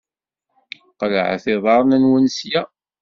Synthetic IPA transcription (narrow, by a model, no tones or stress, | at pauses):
qləʕ̰θɪðˤɑɾˤnænwənsjæ